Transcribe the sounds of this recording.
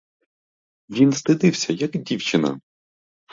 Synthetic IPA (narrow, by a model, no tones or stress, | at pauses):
ʋʲinst̪ɪd̪ɪwsʲɐjɐkdʲiwt͡ʃɪnɐ̰